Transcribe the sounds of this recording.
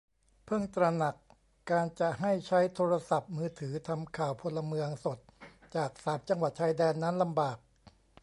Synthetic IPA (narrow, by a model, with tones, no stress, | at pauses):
pʰɯ˥˩ŋt̪ɾa˧na˨˩kː | aː˧nt͡ɕa˨˩ʔɦa˥˩jt͡ɕʰa˦˥jt̪ʰoː˧ɾa˧sa˨˩p̚mɯː˧t̪ʰɯː˩˦t̪ʰa˧mkʰaː˨˩wpʰo˧lːa˧mɯ˧əŋso˨˩t̪̚ | t͡ɕaː˨˩k̚saː˨˦p̚t͡ɕa˧ŋwa˨˩t̪̚t͡ɕʰaː˧jdɛː˧nːa˦˥nla˧mbaː˨˩k̚